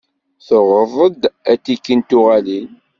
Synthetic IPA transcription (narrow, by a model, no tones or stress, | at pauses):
θoʁəðˤəd̪ætːikːənt̪ʊʁælin